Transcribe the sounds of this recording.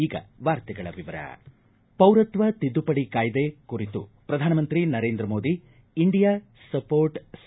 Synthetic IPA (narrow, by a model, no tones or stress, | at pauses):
iːɡɐ̰ʋaːɾt̪ɛɡɐɭɐ̰ʋiʋɐɾɐ̰ | pɐwɾɐt̪ʋɐt̪id̪ːupɐɽikaːjd̪ekuɾit̪ṵpɾɐd̪ʱaːnɐmɐnt̪ɾinɐɾeːnd̪ɾɐmoːd̪iː | ɳɖijaː | sɐpoːɾʈs